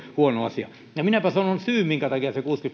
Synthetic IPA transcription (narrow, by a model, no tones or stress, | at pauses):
huonoɑsiɑ | jɑminæpæsɑnonsyːmmiŋkæt̪ɑkiɑsekuːskyt̪